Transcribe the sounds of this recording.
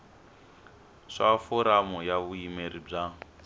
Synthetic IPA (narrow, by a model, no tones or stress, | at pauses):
ʂafɔɾamɔjaβuimeɾib͡ʐa